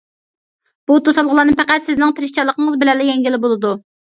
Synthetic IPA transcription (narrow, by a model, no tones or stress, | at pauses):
b̥ut̪ʰosɑlˠʁəlˠɑːnɨpʰɛqæt̪sɪznɪŋt̪ʰɪɾɪʃt͡ʃʰɑlˠːəqʰəŋəzbɪlɛlɪjɛŋɡʲilɪbolˠɨd̪u